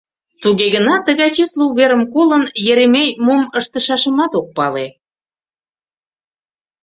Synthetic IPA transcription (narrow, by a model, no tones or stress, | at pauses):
t̪uɣeɣənɑt̪əɣɑjt͡ɕesluβeɾəmkolənjeɾemejmoməʃt̪əʃɑʃəmɑt̪ok̚pɑle